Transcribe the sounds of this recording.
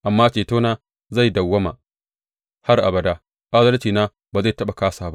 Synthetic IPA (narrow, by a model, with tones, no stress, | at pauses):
ʔa˨mːaː˦t͡ʃeː˨toː˦naː˦ | za˦˨jdɐ˨wːɐ˦ma̰˨ | ha˦rʔa̰˨bɐ˨da˦ | ʔa˦zɐ˦lt͡ʃiː˨naː˦ | baː˨za˦˨tɐ˦ɓa˨kaː˦saː˨ba˦ʔ